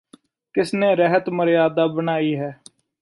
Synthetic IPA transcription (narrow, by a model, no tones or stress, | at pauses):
kɪsnẽːɾəɦət̪məɾjaːd̪aːbənaːiːɦɛː